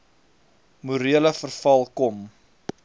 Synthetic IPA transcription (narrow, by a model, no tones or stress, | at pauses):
muɾiələfərfɐlˠkɔm